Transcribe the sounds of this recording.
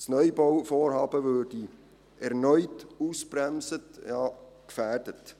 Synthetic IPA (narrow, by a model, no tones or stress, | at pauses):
snœʏbɔwfoːɾhɑːbəvøːdi | ʔɛɾnœʏtuːsbrɛmsətjɑːkfærd̥ət